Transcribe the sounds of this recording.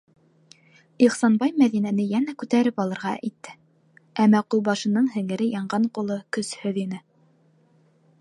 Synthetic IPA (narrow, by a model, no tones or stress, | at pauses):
iχsɑnbɑjmæðinænɘjænækʉt̪æɾɘpɑlˠɤ̆ɾʁɑʔit̪ːɘ | æmːæqulˠbɑʃɤ̆nɤɴɦɘ̆ŋɘ̆ɾɘjɑɴɢɑɴqulˠɤkɵshɵðinɘ